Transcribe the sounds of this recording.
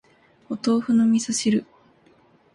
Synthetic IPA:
ot̪o̞ːɸɯ̟nomʲisaɕiɾɯ̟

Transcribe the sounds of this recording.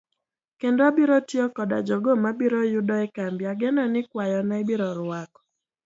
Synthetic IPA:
kendoabiɾotjɔkɔda̰d͡ʒɔɡomabiɾɔjʊdɔɛkambjaɡenɔnɪkwajɔnaibiɾɔɾwakɔ̥

